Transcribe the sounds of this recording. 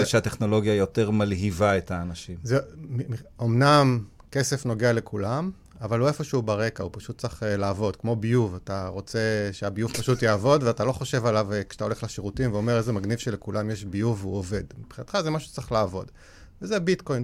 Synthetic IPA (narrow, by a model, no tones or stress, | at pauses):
eʃeat̪eχno̞lo̞ɡjajo̞teʁmalɦivaetaːnaʃimzemiiomnam | ke̞sefno̞ɡeale̞kʰulam | avaluefo̞ʃeubaʁekaupaʃut̚t͡saχelaːvo̞dkmo̞bijuvataʁo̞t͡se̞ʃeabijuvpaʃutjaːvo̞dveatalo̞χo̞ʃe̞valavkʃe̥ḁt̪aoleχlaʃeʁutimveomeʁezemaɡnivʃelekulamjeʃbijuveuove̞dmib̥χinat̪χazemaʃu̥t͡saχlaːvo̞d | vezebitko̞jn